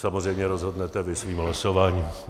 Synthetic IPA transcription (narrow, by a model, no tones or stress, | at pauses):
samozrɛjmɲɛɾozɦodnɛt̪ɛvɪsviːmɦlasovaːɲiːm